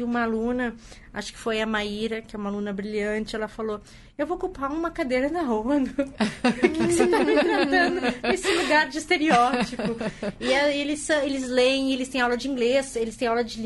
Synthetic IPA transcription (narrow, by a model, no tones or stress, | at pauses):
ɪũmɐalũnɐ | a̰ʃʊ̥kɪ̥fojɐmaiɾɐkɛũmɐalũnɐbɾiʎɐ̃t͡ʃɪɛlɐfalo | ewvokuwpaũmɐkad̪ejɾɐnɐɦonʊ | kɪkɪset̪amẽt̪ɾat̪ɐ̃nd̪ʊesɪluɡaɾd͡ʒɪist̪eɾiɔt͡ʃipʊɪɛelɪsɐ̃w̃elɪzlẽelɪst̪ẽj̃awlɐd͡ʒɪĩɡleselɪst̪ẽj̃awlɐd͡ʒɪl